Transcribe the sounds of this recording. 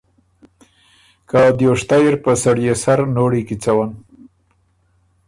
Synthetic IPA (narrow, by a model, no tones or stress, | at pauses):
kad̪joʂt̪ajeɾpəsaɽjesaɾnoɽikit͡sawan